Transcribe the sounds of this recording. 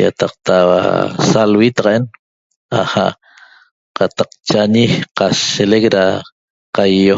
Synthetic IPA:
ja̰t̪ɑq̚t̪awa̰salwit̪ɑʁɑʔen | a̰haʔ | qat̪aq̚t͡ʃaɲiqaʃelek̚ɾa | qajːo

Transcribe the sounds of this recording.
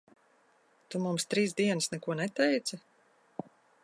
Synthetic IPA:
t̪umumst̪ɾiːsd̪iɛnɨsnɛkuɔnɛt̪ɛjt̪sɐ

